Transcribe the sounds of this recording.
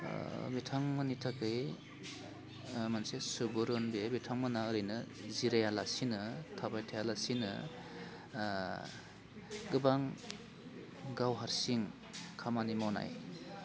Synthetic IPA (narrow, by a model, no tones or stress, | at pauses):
betʰaŋmɯnitʰakɯj | mansesubɯɾɯnbebitʰaŋmanaɯɾɯjnɯziɾajalasinɯtʰabajtʰajalasinɯ̰ | ɡɯbaŋ | ɡawɦaɾsiŋ | kʰamanimɔna̰j